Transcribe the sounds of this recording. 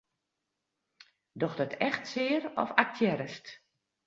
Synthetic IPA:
dɔxdɔtʰɛxtsɪːɾɔ̰fak̚tʰjɛɾəst

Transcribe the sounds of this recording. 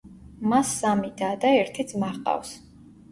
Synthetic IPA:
masːamid̪aːd̪aɛɾt̪ʰid̪smaʁqʼa̰fs

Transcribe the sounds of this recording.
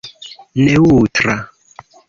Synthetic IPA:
nɛwutɾa

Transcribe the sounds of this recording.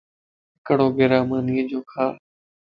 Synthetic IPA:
ɪkɽoːɡeːɾaːmaːniːəd͡ʒoːkʰaː

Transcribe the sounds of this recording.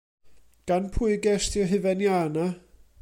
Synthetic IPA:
ɡ̥anpʰʊɨɡɛstʰjɔɦɨvɛnjana

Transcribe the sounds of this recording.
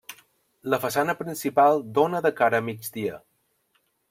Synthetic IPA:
ləfəsanəpɾinsipalˠd̪onəðəkaɾəːmid͡ʒd̪iə

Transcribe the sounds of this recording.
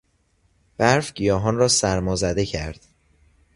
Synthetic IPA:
b̥æɾfɟ̥ijɒːɦɒnrɒːsæɾmɒːzæd̪e̞cʰæɾd̪̥

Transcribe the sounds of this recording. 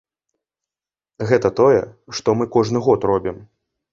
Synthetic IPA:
ɣɛt̪ɐt̪ɔjɛ̰ʂt̪ɔmɨkɔʐnɨɣɔt̪rɔbʲim

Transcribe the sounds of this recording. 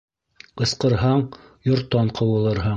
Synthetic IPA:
ɤ̆sqɤ̆ɾɦɑɴ | jŏɾt̪ːɑɴqʰɤ̆wɤ̆lˠɤ̆ɾɦɑɴ

